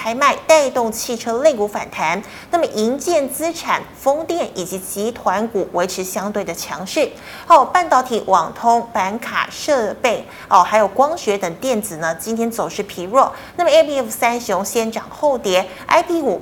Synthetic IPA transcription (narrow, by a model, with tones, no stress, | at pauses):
a˧˥ɪma˥˧ɪt̪a˥˧ɪt̪ʊ˥˧ŋt͡ɕʰi˥˩ʈ͡ʂʰɤ˥le˥˩ɪku˧˥fa̰˨˩nt̪ʰa˧˥n | nna˥˩mə˩ʔi˧˥nt͡ɕjɛ˥˩nt͡sɹ̩˥ʈ͡ʂʰa̰˨˩nfɤ˥ŋt̪jɛ˥˩nʔi˨˩t͡ɕi˧˥t͡ɕi˧˥t̪ʰwa˧˥nku˨˩we˧˥ɪʈ͡ʂʰɻ̩˧˥ɕjɑ˥ŋt̪we˥˩ɪd̪ə˩t͡ɕʰjɑ˧˥ŋʂɻ̩˥˩ | xo˥˩pa˥˧nt̪ɑ˥˩ʊt̪ʰi˨˥˩wɑ˨˩ŋt̪ʰʊ˥ŋpa˧˥nkʰa̰˨˩ʂɤ˥˧pe˥˩ɪ | ɔ˥˩xa˧˥ɪjo˨˩ʊkwɑ˥ŋɕɥɛ˧˥t̪ə˨˩ŋt̪jɛ˥˩nt͡sɹ̩˨˩nə˦t͡ɕi˥nt̪ʰjɛ˥nt͡so˨˩ʊʂɻ̩˥˩pʰi˧˥ɻwɔ˥˩na˥˩mə˩ɛ˥pʰi˥ɛ˥˩fsa˥nɕʊ˧˥ŋɕjɛ˥˩nʈ͡ʂɑ˨˩ŋxo˥˩ʊt̪jɛ˧˥ | a̰˥ɪpʰi˧˥u˨˩